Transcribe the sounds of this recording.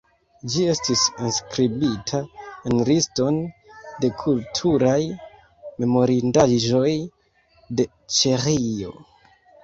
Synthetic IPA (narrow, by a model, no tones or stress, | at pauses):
d͡ʒie̞stisenskɾibitʰaenlisto̞nde̞kʰultʰuɾaj | me̞mo̞ɾindaʒo̞j | de̞ | t͡ʃeɾio̞̰